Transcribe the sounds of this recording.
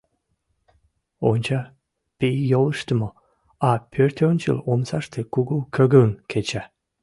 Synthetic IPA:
onʲt͡ɕɑ | pijolˠəʃt̪əmo | ɑpʰøɾt̪onʲt͡ʃə̰lomsɑʃt̪ekuɡukʰøɡəŋkʰet͡ɕæ

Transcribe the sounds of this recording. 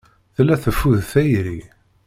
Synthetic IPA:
θlːæθəfːuðθæjɾi

